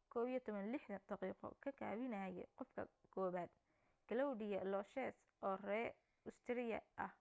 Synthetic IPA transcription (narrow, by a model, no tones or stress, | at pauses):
kʰɔːβijɔt̪ʰɔβɐnlɪħd̪ɐd̪̥ɑqiːqɔ̰kʰɐkʰa̰ːβɪnaːjɛ̰qɔfkʰɐ̰kʰɔːβaːd̪̥ | ɡ̥ɐlɔwdɪjɐlɔʃɛs | ʔɔːrɛː | ʊst̪ʰɪɾɪjɐ̰ʔɐh